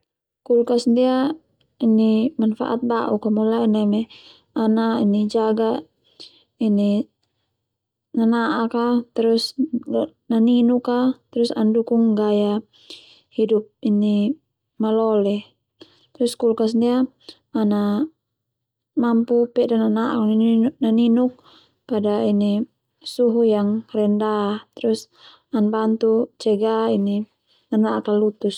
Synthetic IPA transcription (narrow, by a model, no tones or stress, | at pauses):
kulkasndia | inimanfa̰ʔa̰t̪̚baʔukamulainamɛ | anainid͡ʒaɡa | ini | nanaʔakat̪ɛɾus | naninukat̪ɛɾusandukuŋɡaja | hidup̚ini | malɔlɛ | t̪ɾuskulkas̬ndia | ana | mampupɛdananaʔknnaninuk̚ | padaini | suɦujaŋrɛndat̪ɾus | anbant̪ut͡ʃɛɡaini | nanaʔkalut̪us